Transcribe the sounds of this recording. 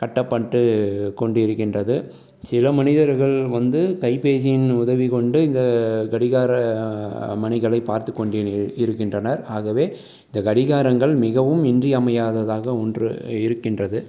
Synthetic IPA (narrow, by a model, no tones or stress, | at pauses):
kɐʈːɐpːɐʈːɯkɔɳɖɪɾɯkːɪndrɐðɯ | sɪlɐmɐnɪðɐɾɣɐɭʋɐnd̪ɯkɐɪpeːs̬ɪjɪnʊðɐʋikɔɳɖɯɪnd̪ɐɡɐɽɪɣaːɾɐ | mɐnɪɣɐɭɐɪpːaːɾt̪ɯkːɔɳɖɪɪɾɯkːɪndrɐnɐɾaːɣɐʋeː | ɪnd̪ɐɡɐɽɪɣaːɾɐŋɡɐɭmɪɣɐʋɯmɛndriɐmɐjaːðɐðaːɣɐɔndrɯ̰ɪɾɯkːɪndrɐðɯ